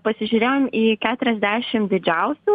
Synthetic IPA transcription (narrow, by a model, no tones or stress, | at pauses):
pɐsʲɪʒʲʊɾʲeːjoːmiːkʲæːt̪ʊɾʲɛzʲd̪ʲæːʃʲɪmd̪ʲɪd͡ʒʲɛʊsʲuː